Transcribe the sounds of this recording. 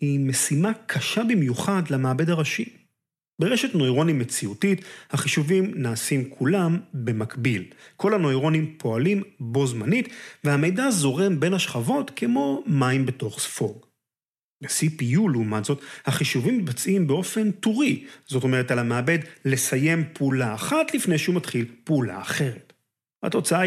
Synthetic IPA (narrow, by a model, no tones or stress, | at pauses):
himesimakʰaʃabimjuχadlamaːbe̞daʁaʃi | beʁeʃe̞tno̞jʁo̞nime̞t͡siutithaχiʃuvimnaːsimkʰulambe̞makbilkʰo̞lano̞jʁo̞nimpʰo̞alimbo̞zmanitveɦame̞jdazo̞ʁe̞mbe̞nhaʃχavo̞tkʰemo̞maimbe̞to̞χsfo̞ɡ | besipijuleumatz̥o̞thaχiʃuvimːit̚bat͡simbeo̞fe̞ntuʁiz̥o̞to̞me̞ʁ̞etalameːbe̞dle̞saje̞mpeulaːχatlifne̞jʃeumatχilpeula̰ːχe̞ʁet | ha̰to̞t͡saa